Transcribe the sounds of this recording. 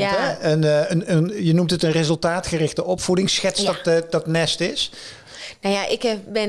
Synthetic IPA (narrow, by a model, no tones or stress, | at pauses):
ɛənənənjənumtətənrezɵlˠtaːtχərɪχtəʔɔpfudɪŋsxɛtsdtdɑtnɛstɪs | najaʔɪkbɛ